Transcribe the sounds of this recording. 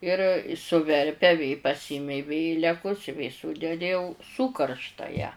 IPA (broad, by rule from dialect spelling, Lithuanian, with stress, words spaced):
ˈɪr sʊˈʋʲɛrʲpʲɛ ʋʲeː pɐˈsʲɪmʲɛɪ ˈʋʲeːlʲɛkʊs ɪ ʋʲeː ˈsuːdʲɛdʲɪ jɛʊ ˈsuːkɐrʃtɐ jæː